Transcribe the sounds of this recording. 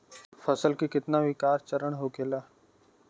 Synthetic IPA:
fʰəsəlkikɪt̪naʋikaːɾt͡ʃəɾəɳ̃ɦoːkeːlaː

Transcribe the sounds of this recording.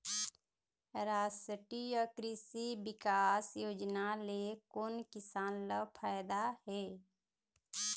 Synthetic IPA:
ɾaːsəʈijɔkɾɪsibɪkaːsjoːd͡ʒnalekoːnkɪsaːnləbpʰaːjd̪aɦɛː

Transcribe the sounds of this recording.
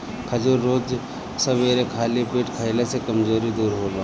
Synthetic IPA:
kʰɐd͡ʒuɾːoːd͡ʒ | sɐbeːɾekʰaːlipeːʈkʰɐɪlesekɐmzoːɾid̪uːɾɦoːloː

